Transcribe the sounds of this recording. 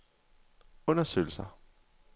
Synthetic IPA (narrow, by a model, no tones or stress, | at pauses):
ɔ̽nɐsø̰ːl̩sɐ